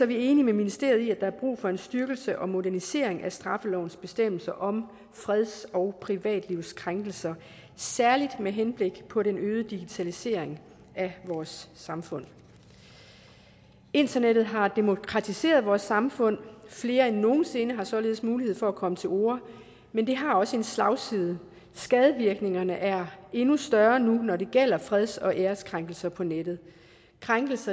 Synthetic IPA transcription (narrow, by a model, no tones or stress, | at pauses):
sɒ̽ʋie̝ːnimeminisd̥e̝̰ɐ̰ð̩ˠiæd̥ɑ̈æɐb̥ʁṵːfɒ̽e̝nsd̥ɶɐɡ̥l̩səʔɒ̽mo̝ɾæɐnise̝ɐ̰eŋʔæsd̥ʁɑ̈fəlɒʊn̩sb̥e̝sd̥em̰l̩sɐʔɒ̽m | fʁð̞ˠsɒʊpʰʁiʋɛ̰ːd̥liʊ̰skʰʁaŋɡ̥l̩sɐ | sæɐlid̥meɦenb̥le̝ɡ̥pʰɒ̽ɾenøːð̩ˠd̥iɡ̥it͡sʰælise̝̰ɐ̰eŋ | æʋɒːsːɑ̈mfɔ̽n̰ | e̝nd̥ɐneɾ̥ð̩ˠɦɑ̈d̥e̝mo̝kʰʁɑ̈t͡sʰise̝̰ːɐð̞ˠʋɒːsɑ̈mfɔ̽n̰fle̝ːɐenːo̝ːn̩se̝nəɦɑ̈sɒ̽le̝ːðˠsmuːliɦe̝ð̞̰ˠfɒ̽ækʰɒ̽mət͡sʰe̝lo̝̰ːɐ | mend̥e̝ɦɑ̈ɒ̽səe̝nslɑ̈ʊsiðˠə | sɡ̥ɛːðˠəʋiɐɡ̥ne̝ŋɐnəʔæɐe̝nusd̥ɶɐnunɒde̝ɡ̥el̰ɐfʁɛðˠsɒ̽ʔeːɐskʰʁaŋɡ̥l̩sɐpʰɒ̽ned̥ð̞̩ˠ | kʰʁaŋɡ̥l̩sɐ